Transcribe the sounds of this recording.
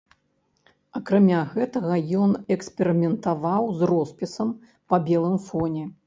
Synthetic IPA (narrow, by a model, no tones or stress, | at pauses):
ɐkɾamʲaɣɛt̪ɐɣɐjɔnɛkspʲɛɾɨmʲɛnt̪avawzrɔspʲisɐm | pɐbʲɛlˠɨmfɔnʲɛ